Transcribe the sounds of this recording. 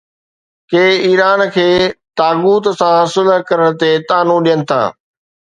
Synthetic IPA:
keːiːɾaːnkʰeːt̪aːɡuːt̪sãsʊləɦkɐɾəɽ̃t̪et̪aːnũɗijənɪ̆t̪ʰa̰ː

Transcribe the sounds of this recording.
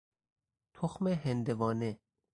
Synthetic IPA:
t̪ʰoxmeɦend̪evɒːne

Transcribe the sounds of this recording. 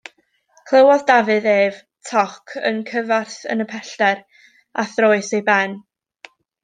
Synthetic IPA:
kʰlˠəwɔðdavɨðeːv | tʰɔkʰə̰nkʰəvarθə̰nəpʰɛɬtɛɾ | aθroːɨsejbɛn

